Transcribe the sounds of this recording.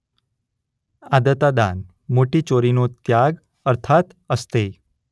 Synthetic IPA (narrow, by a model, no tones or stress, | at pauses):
ad̪ət̪ad̪a̰n | moʈit͡ʃoɾinot̪jaɡ | əɾt̪ʰat̪ | əst̪e